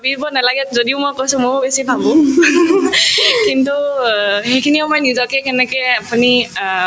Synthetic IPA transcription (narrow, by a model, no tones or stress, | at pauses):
babibɔnalaɡɛzodiʊmojkojsʊ̃mobesibʱabʊ̃ | kintuxejkʰinimojnizɔkɛkɛnɛkɛapuni